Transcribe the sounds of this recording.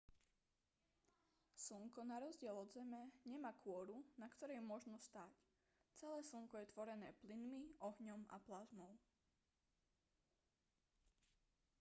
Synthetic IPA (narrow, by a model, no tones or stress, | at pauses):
suŋkɔnaɾɔzɟɪɛlɔd̪zɛmɛɲɛmaːkʰʊɔɾunakt̪ɔɾɛjmʊɔʒnɔst̪aːc | t͡sɛlɛːsuŋkɔjɛt̪ʋɔɾɛnɛːplinmiʔɔɦɲɔma̰plazmɔʊ